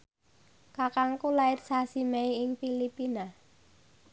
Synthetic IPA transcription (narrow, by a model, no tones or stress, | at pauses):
kakaŋkulaɪt̪sasimɛiɪŋfilipina